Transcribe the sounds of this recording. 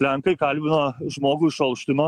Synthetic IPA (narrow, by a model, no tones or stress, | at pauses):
lʲæŋkɐɪkɐlʲbʲɪnoːʒmoːɡuːɪʃɐlˠʃʲt̪ʲɪmɐ